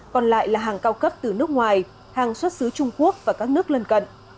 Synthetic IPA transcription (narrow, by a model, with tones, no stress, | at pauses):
kɔ˨˩nla̰ː˧˨jlaː˨˩ɦaː˨˩ŋkaː˧wkə˦˥p̚t̪ɨ˨˩nɨ˦˥ək̚ŋwaː˨˩j | haː˨˩ŋswə˦˥t̚sɨ˨˦t͡ɕʊ˧ŋ͡mku˦˥ək̚vaː˨˩kaː˦˥k̚nɨ˦˥ək̚lə˧nkə̰˧˨n